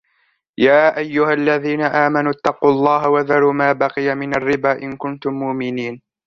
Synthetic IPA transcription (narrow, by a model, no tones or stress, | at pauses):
jaːʔajːʊhalːaðiːnaʔaːmanʊt̪ːɑquːlˤːɑːɦawaðɑɾuːmaːbɑqɪjamɪnarːɪbaːʔɪnkʊnt̪ʊmːʊʔmɪniːn